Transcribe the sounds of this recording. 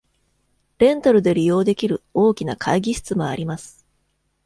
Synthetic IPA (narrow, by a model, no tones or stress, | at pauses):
ɾẽ̞nt̪aɾɯ̟d̪e̞ɾʲijo̞ːd̪e̞kʲiɾɯ̟o̞ːkʲinakʰaiɡʲiɕɨ̥t͡sɨmoa̰ɾʲimasɨ̥